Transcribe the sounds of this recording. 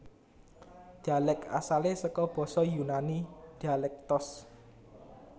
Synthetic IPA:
d̪̥alɛka̰salesɔkɔb̥ɔ̤sɔjunanid̪̥alɛk̚t̪ɔs

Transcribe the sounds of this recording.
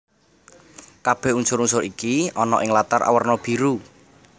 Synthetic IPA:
kab̥ɛ̤hunsʊɾunsʊɾikiɔnɔ̰ʔɪŋlat̪arʔa̰wərnɔb̥i̤ɾu

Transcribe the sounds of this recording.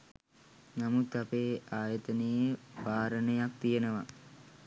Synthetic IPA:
namut̪apeːaːjət̪ənejebʱaːɾənəjak̚t̪ijənəʋa

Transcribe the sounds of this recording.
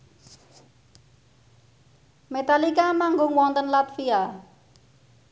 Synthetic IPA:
met̪alikamaŋɡʊŋwɔnt̪ənlat̪fia

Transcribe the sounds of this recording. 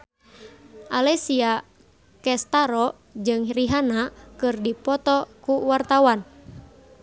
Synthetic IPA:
ʔalɛsia | kɛst̪aɾɔ | d͡ʒɨŋɾiɦanakɨrdipɔt̪ɔkuwart̪awan

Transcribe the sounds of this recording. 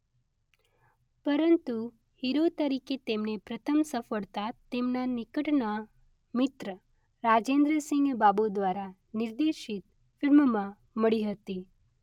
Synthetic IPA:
pəɾənt̪u | hiɾot̪əɾiket̪emnepɾət̪ʰəmsəfəɭt̪at̪emnanɪkəʈna | mɪt̪ɾə | ɾad͡ʒend̪ɾəsɪ̃ŋɡbabod̪ʋaɾa | nɪɾd̪eʃit̪ | fɪɾmmã | məɭiɦət̪i

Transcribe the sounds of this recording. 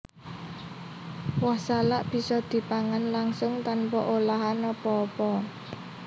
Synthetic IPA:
wahsalaʔb̥i̤sɔd̪̥i̤paŋanlaŋsʊŋt̪anpɔʔolaɦanɔpɔːpɔ

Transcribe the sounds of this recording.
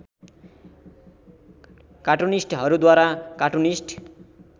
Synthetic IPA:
kaʈunisʈɦʌɾud̪waɾakaʈunisʈ

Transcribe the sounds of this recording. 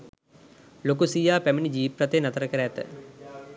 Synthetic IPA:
lokusijaːpæminid͡ʒiːpɾɐt̪enɐt̪əɾəkəɾɛt̪ə̰

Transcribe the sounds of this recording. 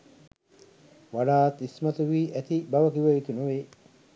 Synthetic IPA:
ʋɐɖaːt̪ismɐt̪uʋiːʔæt̪ibɐʋɐkiʋɐʋit̪unuʋe

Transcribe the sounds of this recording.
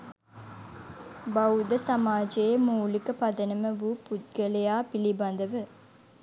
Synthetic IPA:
bawd̪əsamaːd͡ʒejemuːlikəpad̪ənəməʋuput̪̚ɡəlejaːpiliband̪əʋə

